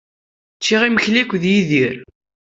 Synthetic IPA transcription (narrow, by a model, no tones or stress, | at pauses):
t͡ʃːiʁiməçlikʷːðjiðiɾ